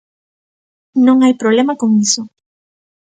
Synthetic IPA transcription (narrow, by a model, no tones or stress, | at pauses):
nõŋajpɾoβlemakoŋiso